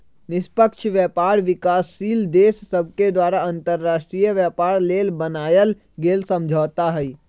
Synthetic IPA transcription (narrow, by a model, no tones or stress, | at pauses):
nɪspəkʃʋjɛːpaːɾʋɪkaːsːiːld̪eːsːəb̚ʱked̪waːɾaə̃nt̪əɾːaːʃʈɾiːjəʋjɛːpaːɾleːlbənaːjəl | ɡeːlsə̃md͡ʒʱɔːt̪aɦɛi